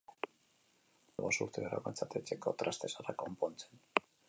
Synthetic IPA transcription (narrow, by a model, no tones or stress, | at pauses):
βo̞suɾt̪eoɾa̰kent͡sat̪et͡ʃe̞ko̞t̪ɾast̪e̞sarako̞mpo̞nt͡sen